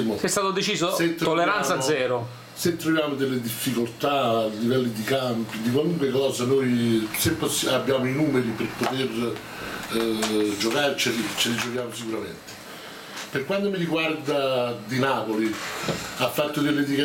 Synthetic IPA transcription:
mosɛst̪aːt̪od̪et͡ʃiːzoset̪ɾt̪olːeɾant̪sad̪zːɛːɾo | set̪ɾovjaːmod̪elːed̪ifːikolt̪aːlːivɛlːid̪ikampid̪ik̬waluŋkwekɔːzanojsemposabːjaːmoinuːmeɾiperpot̪er | d͡ʒokaːɾet͡ʃːelit͡ʃːelid͡ʒokjaːmosikuɾament̪e̥ | perkwant̪omiɾiɡward̪ad̪inaːpoli | afːat̪ːod̪elːed̪ika

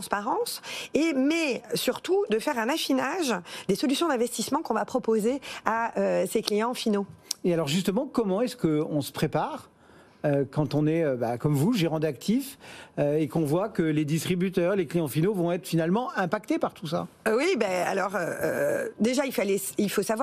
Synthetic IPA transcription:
t̪ɑ̃spaʁɑ̃semɛsyʁt̪ud̪əfɛʁɛ̃nafinaʒd̪esɔlysjɔ̃d̪ɛ̃vɛst̪ismɑ̃kɔ̃vapχɔpozeaøseklijɑ̃finoealɔʁʒyst̪əmɑ̃kɔmɑ̃ɛskəɔ̃sə̥pχepaʁ | økɑ̃t̪ɔ̃nɛøbakɔmvuʒeʁɑ̃d̪ak̚t̪ʰiføekɔ̃vwakəled̪ist̪χibyt̪œʁleklijɑ̃finovɔ̃ɛt̪χfinalmɑ̃ʔɛ̃pakt̪epaʁt̪usa̰wibaa̰lɔʁøø̰d̪eʒailfalɛilfosavwa

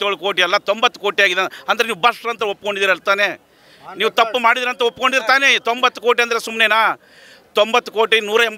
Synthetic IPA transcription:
joɭukoːʈiɐlːɐt̪ombɐt̪ːukoːʈijaːɡid̪eɐnd̪ɐɾeniːʋubɐʂɾɐnt̪ɐopːko̞ɳɖid̪iːɾɐlt̪aːne̞ | niːʋut̪ɐpːumaːɽid̪iːɾɐnt̪ɐopːko̞ɳɖid̪iɾt̪aːne̞t̪ombɐt̪ːuko̞ːʈ̬iɐnd̪ɐɾesumneːnaː | t̪ombɐt̪ːuko̞ːʈinuːɾɐɛmb

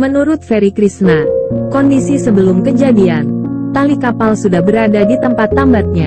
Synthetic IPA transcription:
mənuɾʊt̪̚feɾikɾisnakɔndisisəbəlʊmkəd͡ʒadian | t̪alikapalsudahbəɾadadit̪əmpat̪ːambat̪̚ɲa

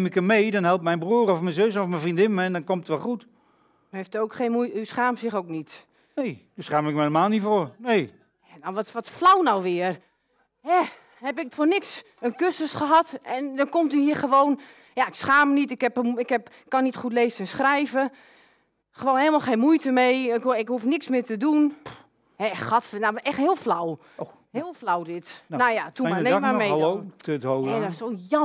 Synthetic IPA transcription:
mɪkəmmejdɔnɦɛlˠp̚mɛjnbruərɔfmɛnzøsɔfmɛnfrindɪnməɛndɔnkɔmtətʋɛlˠχut | yeftowkχeːnmujtysχaːmsɪxoːknit | nejdusχaːmɪkmɛelˠəmaːlˠnifoːrnej | janɔʋɔtʋɔtflawnawʋɪər | hɛ | hɛpɪkfornɪks | ənkøsəsχəɦɑtʔɛndɔnkɔmtyhiəχəʋoːn | jaɪksxaːmənitɪkhɛpɪkɛpkːɔnːitxut̬leːzəɛnsxrɛjvə | xəʋoːnɦeːlˠmalˠxeːnmujtəmejɪkhufnɪksmɪətədun | hɛxɔtnaɛxthɪəlˠflaw | hɪəlˠflawdɪtnajatumnemameooɛɔsojɔ

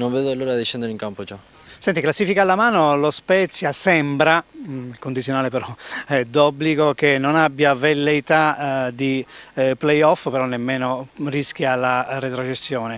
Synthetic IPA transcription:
nõɱveːðoalːuːɾad̪iʃɛnd̪eɾeiŋkampot͡ʃa | sɛnt̪iklasːifikalamaːnolospɛt̪sːjasɛmbɾaikond̪it̪sjonaːlepeɾɔd̪ɔbliɡokenːonabjavelːejt̪ad̪iplejɔfpeɾɔnːemːeːnorisk̟jalaret̪ɾot͡ʃesːjɔːne

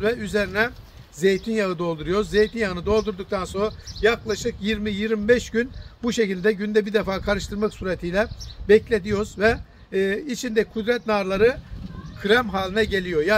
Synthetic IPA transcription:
vɛyze̞ɾinɛ | ze̞jt̪ʰinjaɯd̪o̞lˠd̪uɾujo̞ɾzze̞jt̪ʰinjaɯnɯd̪o̞lˠd̪uɾd̪uk̚t̪ʰanso̞nɾajaklˠaʃɯkjiɾmijiɾmbɛʃɟynbuʃe̞cilʲd̪ɛɟynd̪ɛbid̪ɛfaːkʰaɾɯʃt̪ɯɾmaksuɾet̪ʰijlʲɛbɛclʲe̞d̪ijo̞ɾzvɛ | it͡ʃʰind̪ɛkʰud̪ɾɛt̪naɾlˠaɾɯkʰɯɾæmɦaːlʲinɛɟe̞lʲijo̞ja

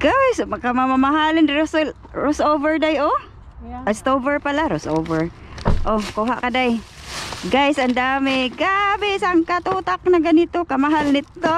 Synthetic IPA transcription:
ɡ̥asakamamamaɦalɪnɾos | ɾosʔovɛɹdajo | ast̪obɛɹpalaɾosʔovɛɹ | ʔokuɦaʔkadaj | ɡajsʔand̪aːmɪɡabɪsaŋkat̪ut̪ak̚naɡanit̪okamaɦalnɪt̪ːo

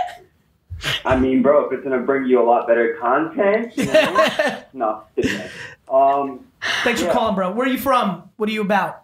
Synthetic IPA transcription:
ʔaɪmĩnbɹoʊfɨt̚sɡ̥ʌ̃nɨbɹɪ̃ŋjɨəlɔt̚b̥ɛɾə˞kʰɑ̃ntʰɛ̃n | nətɪ | ʌ̃mθæ̃ŋsfəkʰɑlˠə̃mbɹoʊwə˞jɨfɹʌ̃mwʌɾə˞jɨəbaʊt̚

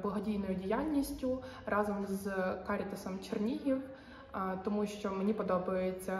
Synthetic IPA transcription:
blˠɐɦɔdʲijnɔjʊdʲijɑlʲnʲisʲtʲʊrɑzɔmzkɑɾʲit̪ɐsɔmt͡ʃernʲiɦʲiw | t̪ɔmuʃt͡ʃɔmenʲipɔd̪ɔbɐjet͡sʲːɐ

